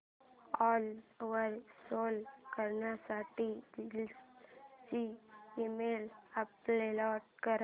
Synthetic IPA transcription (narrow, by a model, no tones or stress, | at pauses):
ɔlʋəɾsolkəɾɳjasaʈid͡ʑil | t͡ɕiːmelaplelɔʈ̚kəɾ